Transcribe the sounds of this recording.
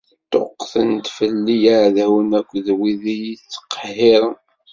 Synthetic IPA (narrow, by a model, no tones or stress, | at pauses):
t̪ːo̰qːθənt̪fəlːijaʕðæwənækʷːðwiðijt͡sːə̥qhɪɾˤ